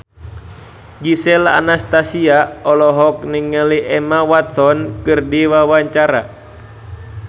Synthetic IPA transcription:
ɡisɛla̰nast̪asiaɔlɔɦɔk̚niŋːəliʔɛmawat̪sɔnkɨrdiwawaɲt͡ʃaɾa̰

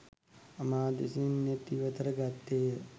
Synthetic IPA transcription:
ɐmaːd̪ḭsinɐt̪iʋɐt̪ɐɾɐɡat̪ːeː

